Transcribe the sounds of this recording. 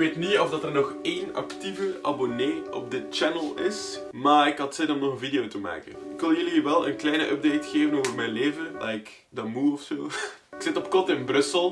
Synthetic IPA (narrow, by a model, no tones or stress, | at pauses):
kʋeːtniɔvdɑtərnɔxeːnɑ̰ktivəʔa̰boneːɔb̚dɪt̚t͡ʃɛnəlˠɪs | maːɾɪkɦɑtsɛdɔmnɔxənvideoːtuma̰ːkənɪkʋɪlˠjəliʋɛlˠə̰nklɛjnəʔœb̚dejtxeːvənoːvərmɛjnleːvəlɛ̰jk | dəmuɔfsoːɪksɪtɔp̚kɔrtɪnbrɵsəlˠ